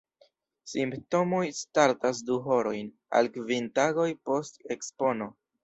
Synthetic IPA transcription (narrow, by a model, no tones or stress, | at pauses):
simpto̞mo̞jstaɾtas̬duɦo̞ɾo̞jn | a̰lkvintaɡo̞jpo̞ste̞kspo̞no̞